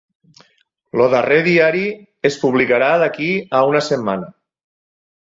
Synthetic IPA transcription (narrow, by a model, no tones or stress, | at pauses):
loðareðiaɾi | espuβlikaɾaðakiaunəsemːanə